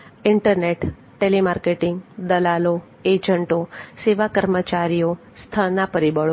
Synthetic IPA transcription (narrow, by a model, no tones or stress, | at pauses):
ɪɳʈəɾneʈ | ʈelimaɾkeʈɪŋɡd̪əlalo | ed͡ʒəɳʈoseʋakəɾmət͡ʃaɾijo | st̪ʰəɭnapəɾibəɭ